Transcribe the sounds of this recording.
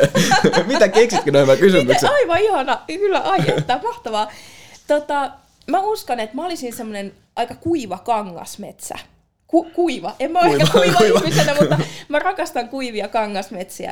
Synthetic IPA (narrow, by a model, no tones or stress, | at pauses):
mit̪ækeksit̪kinoimækysyyesɑiʋɑihɑnɑkylːæʔɑiet̪ːɑːmɑht̪ɑʋɑːt̪ot̪ɑ | mæuskɑnet̪mæolisinsemːonen | ʔɑikɑkuiʋɑkɑŋːɑ̰smet̪sæ̰ | kukuiʋɑʔemmæolskːækuiʋɑmienæmuɑmærɑkɑst̪ɑŋkuiʋiɑkɑŋːɑsmet̪siæ̰